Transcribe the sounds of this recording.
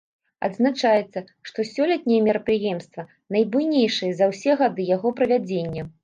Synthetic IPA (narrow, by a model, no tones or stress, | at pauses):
ɐ̰d̪znat͡ʂajɛt̪sːɐ | ʂt̪ɔsʲɔlʲɛt̪̚ʲnʲɛjɛmʲiɾɐpɾɨjɛmst̪vɐ | nɐjbujnʲejʂɨjɛzɐwsʲɛɣad̪ɨjaɣɔpɾɐvʲad͡zʲenʲːɐ